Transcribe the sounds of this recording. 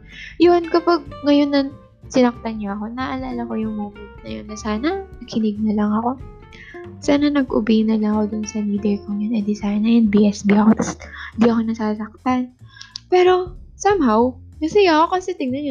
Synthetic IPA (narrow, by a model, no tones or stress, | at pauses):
jonkɐpaɡ̚ŋɐjo̞nːɐ | sɪnɐk̚t̪ɐnɲaʔɐko̞nɐʔɐlaːlɐko̞jʊŋmoːmɪt̪̚nɐjonːɐsaːnɐnɐɡkɪnɪɡ̚nɐlɐŋɐko̞ | saːnɐnɐɡʔʊ̰biːnɐnɐko̞d̪ʊnsɐniːd̪ɛjkoŋɲɐnɐd̪ɪsajnɐjɛnbiʔɛsbiʔɐko̞t̪ɐsɪnd̪iʔɐko̞nɐsaːsɐk̚t̪anpɛːɾo̞sɐmhawk̪ɐsɐjaɐko̞kɐsɛt̪ɪŋnɐnɲ